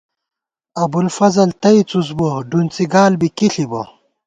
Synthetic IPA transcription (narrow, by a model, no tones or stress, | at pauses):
ɐbulfɐzɐlt̪ɐit͡sus̬boɖunt͡siɡaːlbikiɬibɐ